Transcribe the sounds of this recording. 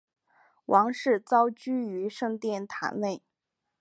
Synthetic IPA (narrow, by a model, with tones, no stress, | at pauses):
wʔɑ˧˥ŋʂɻ̩˥˩t͡sɑ˥ʊt͡ɕy˥y˧˥ʂɤ˥˧ŋt̪jɛ˥˧nt̪ʰa̰˧˥nle˥˩ɪ